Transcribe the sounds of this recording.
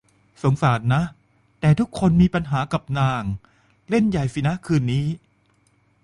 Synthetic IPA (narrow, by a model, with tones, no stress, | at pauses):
so˨˩˦ŋsaː˩˦nːa˦˥ʔ | t̪ɛː˨˩t̪ʰu˦˥kʰːo˧nmiː˧pa˧nɦaː˩˦ka˨˩p̚naː˨˩ŋ | le˥˩nja˨˩jfi˨˦na˦˥kʰɯː˧nːiː˦˥